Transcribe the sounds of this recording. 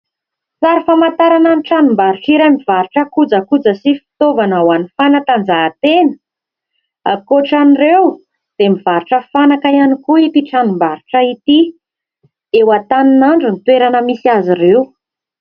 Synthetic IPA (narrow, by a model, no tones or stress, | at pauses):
saɾifamant̪aɾananiʈ͡ʂanumbaɾuʈ͡ʂiɾamivaɾuʈ͡ʂəkud͡zakud͡zəsifi̥t̪ovanawanifanat̪and͡zaːt̪enə̥ | koʈ͡ʂanirew | d̪̥emiv̥aɾuʈ͡ʂəfanakajanikuit̪iʈ͡ʂanumbaɾuʈ͡ʂəit̪i | ewat̪aninaɳɖ͡ʐunit̪weɾanəmisiaziɾew